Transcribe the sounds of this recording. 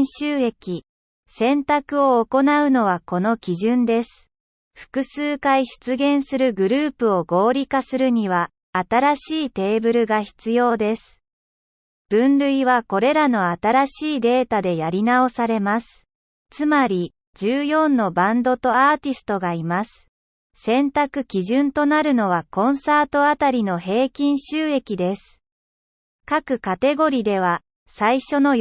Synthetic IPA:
ɕɨːe̞kʲi | sẽ̞nt̪akɯ̟o̞ːko̞naɯ̟no̞β̞ako̞no̞kʲiʑɨ̃nd̪e̞sɨ̥ | ɸɯ̟̥kɯ̟sɨːkaiɕɨ̥t͡sɨɡẽ̞ɰ̃sɨɾɯ̟ɡɯ̟ɾɯ̟ːpɯ̟o̞ɡo̞ːɾʲikasɨɾɯ̟ɲ̟iβ̞aː | t̪aɾaɕiːt̪e̞ːbɯ̟ɾɯ̟ɡaçi̥t͡sɨjo̞ːd̪e̞sɨ̥ | b̥ɯ̟̃nɾɯ̟iβako̞ɾe̞ɾano̞at̪aɾaɕiːd̪e̞ːt̪ad̪e̞jaɾʲinao̞saɾe̞masɨ̥ | t͡sɨmaɾʲi | d͡ʑɨːjõ̞nːo̞bãnd̪o̞t̪o̞aːt̪ʲisɨ̥t̪o̞ɡaimasɨ̥ | sẽ̞nt̪akɯ̟kʲiʑɨ̃nt̪o̞naɾɯ̟no̞β̞akõ̞ɰ̃saːt̪o̞at̪aɾʲino̞he̞ːkʲĩɰ̃ɕɨːe̞kʲid̪e̞sɨ̥ | kakɯ̟kat̪e̞ɡo̞ɾʲid̪e̞β̞a | saiɕo̞no̞

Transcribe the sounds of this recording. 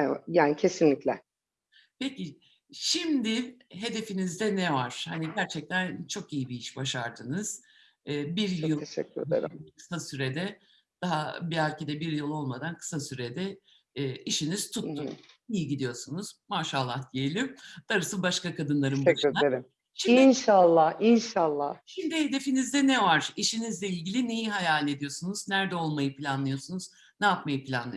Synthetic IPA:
jaːnicʰe̞sinlʲiclʲɛ | peci | ʃimd̪ɪɦed̪e̞finizd̪ɛnɛvaɾ̥haniɟæɾt͡ʃʰɛc̚t̪ʰænt͡ʃʰo̞kijibiiʃbaʃaɾd̪ɯnɯz̥ː | biɾjɯlˠʰesɛ̰kːy̰ɾḛɾkɯ̥sasyɾed̪ɛ | d̪̥aɦabiæɾʲcʰed̪ɛbiɾjɯlˠo̞lˠmad̪ankʰɯ̥sasyɾed̪ɛː | iʃiniz̥t̪ʰut̪ːumijiɟid̪ijo̞sunuz̥maːʃalˠːahd̪ijelʲimd̪̥aɾɯsɯbaʃkakad̪ɯnlˠaɾɯmbɾeaeɾim | ʃiinʃalˠːahinʃalˠːahʃimd̪ihe̞d̪e̞finizd̪ɛnɛvaɾ̥iʃinizlʲɛilʲɟilʲinejiɦajaːlʲe̞d̪ijo̞sunuz̥næɾd̪ɛo̞lˠmajɯpʰlʲanlˠɯjo̞sunuz | nɛjapmajɯpʰilʲa̰nlˠɯ̰

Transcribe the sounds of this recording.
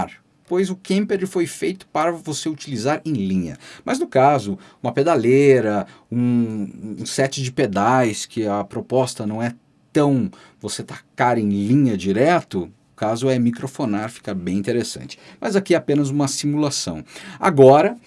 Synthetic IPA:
ɾ | pojzʊkẽmped͡ʒɪfojfejt̪ʊ̥paɾɐvoseut͡ʃilizaɾẽj̃lĩɲɐ̰mɐznʊkazʊũmɐped̪aleɾɐ | ũ | ũsɛt͡ʃɪd͡ʒɪped̪ajskɪɐpɾopɔst̪ɐnɐ̃w̃ɛ | t̪ɐ̃w̃ | voset̪akaɾẽj̃lĩɲɐd͡ʒiɾɛt̪ʊʊkazʊɛmikɾofonaɾfi̥kɐbẽj̃ĩnt̪eɾesɐ̰̃nt͡ʃɪ̥mɐzakiɛapẽnɐzũmɐsimulasɐ̰̃w̃a̰ɡɔɾɐ

